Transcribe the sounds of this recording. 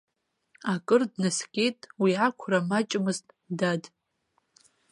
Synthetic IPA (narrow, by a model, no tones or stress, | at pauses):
akʼɨrdnaskʲʼe̞jtʼwiakʷʰramat͡ʃʼmɨztʼ | dad